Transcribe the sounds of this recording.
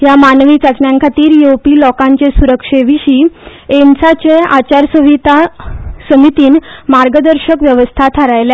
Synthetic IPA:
jamanʋiːt͡sat͡ɕɳjãŋkʰat̪iːɾjowpiːlɔkãɲt͡ɕesuɾəkʂeʋiɕient͡sat͡ɕeat͡ɕaɾsəʋit̪asəmit̪iːnmaɾɡəd̪əɾɕəkʋjəʋəst̪ʰat̪ʰəɾajla

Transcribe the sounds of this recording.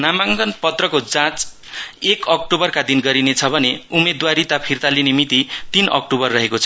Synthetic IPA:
namaŋɡʌnpʌt̪rʌkod͡zãt͡s | ekʌk̚ʈobʌrkad̪inɡʌɾinet͡sʰʌbʱʌneumed̪waɾit̪apʰirt̪alinemit̪it̪inʔʌ̰k̚ʈobʌrːʌɦekot͡sʰʌ

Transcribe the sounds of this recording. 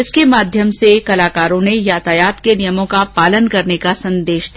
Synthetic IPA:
ɪskemaːd̪ʱjəmsekɐlaːkaːɾõnejaːt̪aːjaːt̪kenɪjəmõkapaːlənkɐɾnekasɐ̃nd̪eːʃd̪

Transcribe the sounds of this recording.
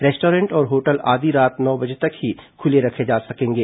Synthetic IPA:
ɾɛːsʈoːɾẽɳʈɔːɾɦoːʈəlaːd̪iɾaːt̪nɔːbɐd͡ʒʱet̪ɐkɦikʰʊleɾɐkʰed͡ʒaːsɐkẽːŋɡeː

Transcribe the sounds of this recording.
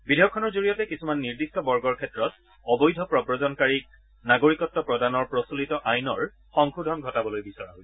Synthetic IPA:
bidʱejɔkʰːɔnɔɹzoɹijɔtɛkisumanːiɹdistɔbɔɹɡɔɹkʰɛtɹɔt | ɔbɔjdʱɔpɹɔbɹɔzɔnkaɹik̚ | naɡoɹikɔtːɔpɹɔdanɔɹpɹɔsulitɔʔajnɔɹ | xɔŋkʰudʱɔnɡʱɔtabɔlojbisɔɹa̰ɦj

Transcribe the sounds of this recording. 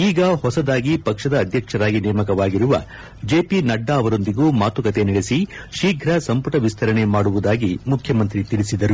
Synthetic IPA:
iːɡɐhɔsɐd̪aːɡipɐkʂɐd̪ɐːd̪ʱjɐkʂɐɾaːɡinɛːmɐkɐʋaːɡiɾuʋɐ̰ | d͡ʒe̞ːpinɐɖːɐːʋɐɾo̞nd̪iɡuːmaːt̪ukɐt̪e̞niɭesi | ʃiːɡʱɾɐsɐmpuʈɐʋist̪ʰɐɾɐɳe̞maːɽuʋud̪aːɡimukʰjɐmɐnt̪ɾit̪iɭisid̪ɐɾu

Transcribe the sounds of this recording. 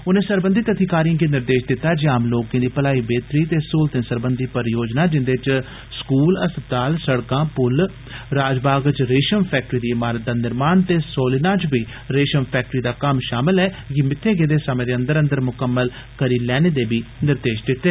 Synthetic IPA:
ʊnẽːsəɾbənd̪it̪ət̪ʰikaːɾijãːkeːnɪɾd̪eːʃd̪ɪt̪ːaːd͡ʒiːaːmloːkẽːd̪iːpəlaːiːbeːt̪ɾiːt̪eːsʊːlt̪ẽːsəɾbənd̪iːpəɾjoːd͡ʒnaːd͡ʒɪnd̪eːt͡ʃ | skuːləst̪ət̪aːlsəɽkãːpʊl | ɾaːd͡ʒbaːɡt͡ʃɾeːʃəmpʰɛːk̚ʈɾiːd̪iːɪmaːɾət̪̚d̪aːnɪɾmaːnt̪eːsoːlɪnãːt͡ʃbiː | ɾeːʃəmpʰɛːk̚ʈɾiːd̪aːkəmʃaːmɪlɛː | ɡɪmɪt̪ʰːeːɡeːd̪eːsəmẽːd̪eːə̃nd̪əɾə̃nd̪əɾmʊkəmːəl | kəɾiːlɛːneːd̪eːbiːnɪɾd̪eːʃd̪ɪt̪ːeː

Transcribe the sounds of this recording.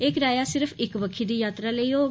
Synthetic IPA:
eːkɾaːjasɪɾpʰɪkbəkʰːid̪ijaːt̪ɾaleioː

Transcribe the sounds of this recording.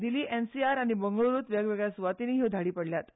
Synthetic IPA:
d̪iliːʔensiaɾaɽ̃ibəŋɡəɭɾuːt̪ʋjəɡʋeɡɭjasʋat̪iniːɦid̪ʱaɽiːpəɽljat̪

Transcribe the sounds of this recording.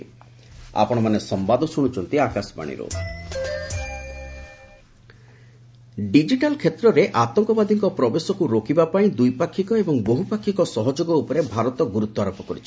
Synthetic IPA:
a̰pɔɽ̃ɔmanesɔmbad̪ʱɔsuɽ̃ut͡ʃʰɔnt̪iakasɔba̰ɽ̃ḭɾo̰ | ɖid͡ʒiʈalkʰet̪ɾɔɾeʔat̪ɔŋkɔbad̪ʱiŋkɔpɾɔbesɔkuɾokibapaĩd̪ujpakʰːikɔebɔŋboɦupakʰːikɔsɔɦɔd͡ʒoɡɔupɔɾebʱaɾɔt̪ɔɡuɾut̪ːɔaɾɔpɔkɔɾit͡ʃʰi̥

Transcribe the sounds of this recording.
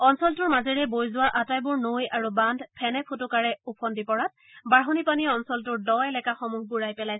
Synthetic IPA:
ɔnsɔltʊɹmazɛɹɛbojzʊwaɹʔatajbʊɹnojaɹubandʱpʰɛnɛpʰutʊkaɹɛupʰɔndipɔɹat̚ | baɹɦonipaniɔnsɔltʊɹdɔɛlɛkaxɔmuɦbuɹajpɛlaj

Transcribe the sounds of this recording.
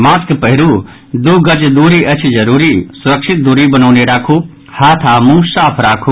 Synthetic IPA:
maːskpəɦɪɾu | d̪uːɡɐd͡ʒd̪uːɾiʔɐt͡ʃʰid͡ʒɐɾuːɾisʊɾəkʃʰɪt̪̚d̪uɾibɐnaːneɾaːkʰuː | haːt̪ʰaːmũsaːpʰɾaːkʰu

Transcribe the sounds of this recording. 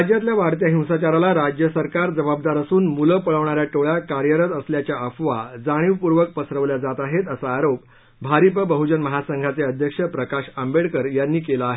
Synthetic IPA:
ad͡ʑjat̪ljaʋaɽt̪jaɦĩwsat͡ɕaɾalaɾad͡ʑjəsəɾkaɾd͡zəbabd̪aɾəsuːnmuləpəɭəʋɳ̃aɾjaʈoɭjakaɾjəɾət̪əsljat͡ɕjaəfʋa̰d͡zaɽ̃iʋpuɾʋək̚pəsɾəʋljad͡zat̪aɦet̪əsaːɾop̚ | bʱaɾipəbəɦud͡ʑənməɦasəŋɡʱat͡seəd̪ʱjəkʂəpɾəkaɕəmbeɽkəɾjanːiːkelaːɦe

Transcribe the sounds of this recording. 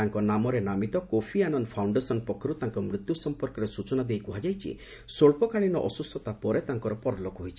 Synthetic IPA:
aŋkɔnamɔɾenamit̪ɔkopʰianɔnpʰawɳɖesɔnpɔkʰɔɾut̪aŋkɔmɾut̪jusɔmpɔɾkɔɾesut͡ʃɔnad̪ejkuɦad͡ʒajt͡ʃʰḭ | soɭpɔkaɭinɔʔɔsust̪ʰɔt̪apɔɾet̪aŋkɔɾɔpɔɾɔlokɦojt͡ʃʰi̥

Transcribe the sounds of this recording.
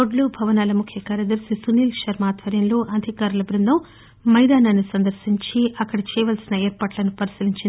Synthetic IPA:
oɖlubʱɐʋɐnaːlɐmukʰjɐkaːɾɐd̪ɐɾsisuniːlʃɐɾmaːt̪ʋɐɾjɐmlo̞ːʔɐd̪ʱikaːɾɐlɐbɾund̪ʱɐm | mɐjd̪aːnaːnisɐnd̪ɐɾsiɲt͡ʃiʔɐkːɐɽɐt͡ʃɛːʋɐːlsinɐeːɾpɐːʈlɐnupɐɾisiliɲt͡ʃind̪

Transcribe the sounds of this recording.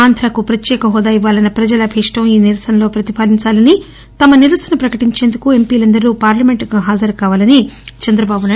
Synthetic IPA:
aːnt̪ʰɾaːkupɾɐt̪jɛːkɐɦɔːd̪aːjiʋːaːlɐnɐpɾɐd͡ʒɐlɐbʱiʂʈɐmiːniɾɐsɐnɐlo̞ːpɾɐt̪ipaːliɲt͡ʃaːlɐni | t̪ɐmɐniɾʋɐsɐnɐpɾɐkɐʈiɲt͡ʃe̞ːnd̪ukue̞mpiːlɐnd̪ɐɾuːpaːɾlɐme̞ɳʈɡaːɦaːd͡ʒɐɾkaːʋaːlɐnit͡ʃɐnd̪ɾɐbaːbunɐ

